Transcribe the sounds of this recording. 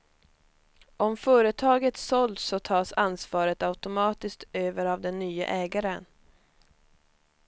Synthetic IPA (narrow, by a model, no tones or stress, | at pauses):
ʔɔmfœːɾət̪ʰɑːɡət̪sɔld̪sːɔt̪ʰɑːsansvɑːɾət̪aʉt̪ʊmɑːt̪ɪskt̪øːvəɾavd̪ɛnːyːə̰ʔɛːɡaɾən